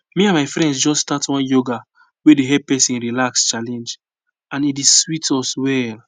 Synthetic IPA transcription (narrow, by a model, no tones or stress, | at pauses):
miãnmaɪfɾɛ̃ndsd͡ʒɔsstatwɔ̃njoɡa | wedeɦɛpɛsĩnɹilakst͡ʃalɛ̃nd͡ʒ | ãnideswitʰɔswɛl